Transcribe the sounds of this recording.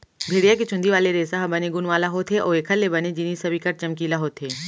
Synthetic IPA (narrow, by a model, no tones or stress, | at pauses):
bʱeːɽijak̬et͡ʃʊ̃nd̪iʋaːleɾeːsaɦbɐneɡʊnʋaːlaɦoːt̪ʰɦeʔoːeːkʰəlːebɐned͡ʒɪniːsɐbikɐɾt͡ʃɐmkiːlaɦoːt̪ʰeː